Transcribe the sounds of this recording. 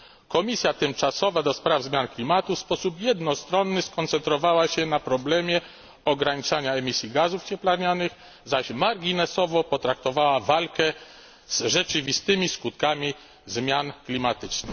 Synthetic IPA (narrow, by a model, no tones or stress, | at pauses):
kɔmʲisʲjat̪ɘmt͡ʂasɔvad̪ɔspɾavzmʲjanklʲimat̪ufspɔsupjɛd̪nɔst̪ɾɔnːɘskɔnt̪sɛnt̪ɾɔvawaɕɛnapɾɔblɛmʲjɛ | ɔɡɾaɲit͡ʂaɲaɛmʲisʲjiɡazuft͡ɕɛplaɾɲanɘɣ | zaɕmaɾɡʲinɛsɔvɔpɔt̪ɾakt̪ɔvawavalkɛ | z̥ʐɛt͡ʂɘvʲist̪ɘmʲiskut̪̚kamʲi | zmʲjanklʲimat̪ɘt͡ʂnɘ